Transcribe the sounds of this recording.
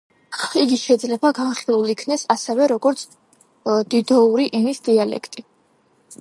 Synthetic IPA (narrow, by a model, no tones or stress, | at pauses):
iɡiʃɛid̪zlɛbaɡanχilˠulikʰnɛsasɛvɛɾɔɡɔɾt̪sʰ | d̪̥id̪ɔuɾiʔɛnisd̪ialɛ̰kʰt̪ʼi